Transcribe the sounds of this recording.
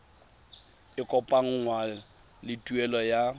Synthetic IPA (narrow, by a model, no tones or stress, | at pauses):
ɪkʼɔpʼaŋ̩ŋwa | lɪtʼuɛlɔja